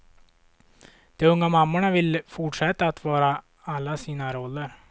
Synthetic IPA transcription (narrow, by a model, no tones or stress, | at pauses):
d̪̥ɔɵŋːamamːʊɳavɪlfʊʈʂɛt̪ːaːt̪vɑːɾa | alːasiːnaɾɔlːəɾ